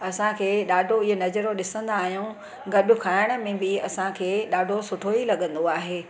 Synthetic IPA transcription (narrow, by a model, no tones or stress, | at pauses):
ɐsãkʰeːɗaːɖʱoɪɦonɐd͡ʑəɾoɗɪsə̃nd̪aːɦijũ | ɡɐɗʊkʰaːɪəɽ̃ə̆mẽbɪɐsãkʰeːɗaːɖʱosʊʈʰoilɐɠə̃nd̪oaːɦeː